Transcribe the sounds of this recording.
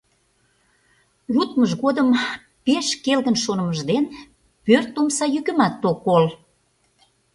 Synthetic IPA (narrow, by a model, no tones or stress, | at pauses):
jut̪məʒɣod̪əm | peʃkelɣənʃonəməʒd̪en | pørt̪omsɑjyɣə̆mɑt̪ːokːol